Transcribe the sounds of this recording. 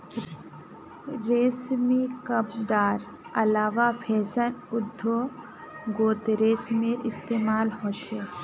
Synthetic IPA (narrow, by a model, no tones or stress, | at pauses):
ɾeːsmikəbd̪aːɾ | ɐlaːʋapʰeːsənʊd̪ʱːo | ɡoːt̪ɾeːsmeɾɪst̪eːmaːlɦoːt͡ʃʰeː